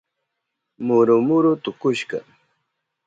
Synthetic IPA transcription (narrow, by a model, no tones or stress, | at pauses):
mʊɾʊmʊɾʊt̪ʊkʊʃkɑ̰